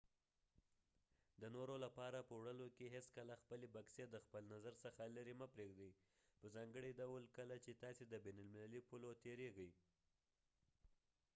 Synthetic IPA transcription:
d̪ənoɾolapɑɾapəwɽəlokeɦeskəlaxpəlebaksed̪əxpəlnazaɾsəxaləɾiməpɾeɡd̪ij | pəzɑŋɡəɽiɖawlkəlat͡ʃet̪ɑsed̪əbenalmɪlalipulot̪eɾeɡəj

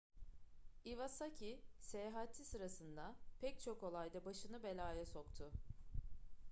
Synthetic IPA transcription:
ivasacʰisejaɦat̪ʰːisɯɾasɯnd̪apʰɛct͡ʃʰo̞ko̞lˠajd̪abaʃɯnɯbe̞lʲaːjɛso̞kt̪ʰʊ

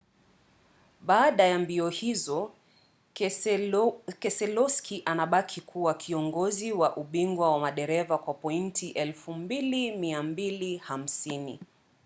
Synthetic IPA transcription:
ɓaːɗajambiɔhizɔ | kɛsɛlɔskʰiʔanaɓakʰikʰuwakʰiɔŋɡɔziwaʔuɓiŋɡwawamaɗɛɾɛvakwapɔintʰiʔɛlfumbilimiambiliham̩sinḭ

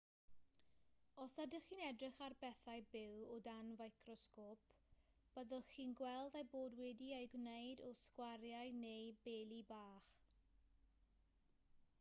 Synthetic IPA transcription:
ɔsadəχiːnɛdrɪχarbɛθajbɪwɔdanvajkʰrɔskoːpʰ | b̥əðəlˠχiːnɡwɛlˠdajboːdwɛdiejɡwnejdɔskwarjajnejbeːlˠibaːχ

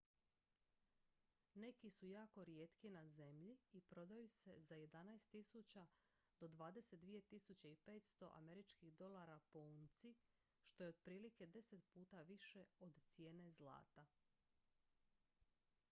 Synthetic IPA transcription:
ne̞kisujaːko̞ɾijeːt̪kinaze̞mʎiipɾo̞d̪ajuse̞zaje̞d̪anajst̪ːisut͡ɕa | d̪̥o̞d̪ʋaːd̪e̞set̪̚d̪ʋije̞t̪isut͡ɕeipe̞ːt̪st̪o̞̰ʔa̰me̞ɾit͡ʃkiɣd̪o̞lˠaɾapo̞unt̪si | ʃt̪o̞jeod̪pɾiːlike̞d̪e̞se̞t̪puːt̪aʋiʃe̞od̪t̪sje̞ːne̞zlˠa̰ːt̪a

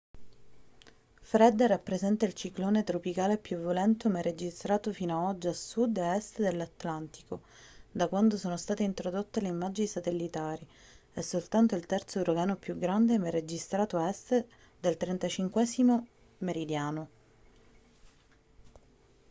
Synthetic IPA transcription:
fɾɛd̪rapːɾezɛnt̪ailt͡ʃikloːnet̪ɾopikaːlepjuvjolɛnt̪omered͡ʒist̪ɾaːt̪ofiːnoaɔd͡ʒːiasud̪eɛst̪d̪elːat̪lant̪i̥ko | d̪akwand̪osoːnost̪aːt̪eint̪ɾod̪ot̪ːeleimːad͡ʒinisat̪elːit̪aːɾi | esːolt̪ant̪oilt̪ɛrt̪soɾoɡaːnopjuɡɾand̪emered͡ʒist̪ɾaːt̪oɛst̪ | d̪elt̪ɾent̪at͡ʃiŋkwɛːzimo | meɾid̪jaːno

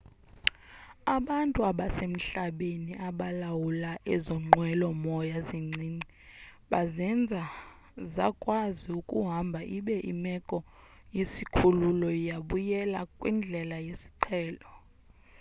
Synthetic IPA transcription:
aɓantʼuaɓasem̩ɬaɓeniʔaɓalawulaʔɛzɔŋ͡ǃʱwɛlɔmɔjaziŋ͡ǀʱiːŋ͡ǀi | ɓazɛnd͡zʱa | zakʼwaziukʼṵɦambʱaʔiɓɛʔḭmɛkʼɔ | jesikʰululɔijaɓujɛlakʼwind͡ɮʱɛlajesi̥ǃʰɛːlɔ

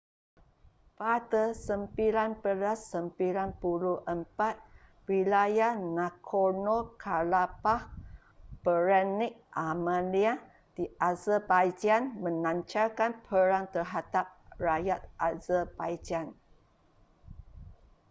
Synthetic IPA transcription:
pat̪əsəmpilanpəlasːəmpilanpuluʔəmpat̪̚ | wilajanãkʰonokʰalapah | b̥əɾɛnɪk̚ʔamãlia | d̥iazəbajd͡ʒanmə̃nãɲt͡ʃalkanpʰəɾaŋt̪ərɦad̪ap̚rajat̪̚azəbajd͡ʒan

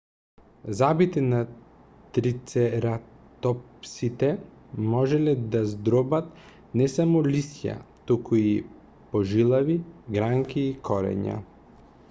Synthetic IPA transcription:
zabit̪ɛna | t̪ɾit̪sɛɾat̪ɔpsit̪ɛ | mɔʒɛlɛd̪azd̪ɾɔbat̪ | nɛsamɔlisja̰t̪ukui | pɔʒilˠaviɡɾaŋkiːkɔɾɛ̰ɲa̰

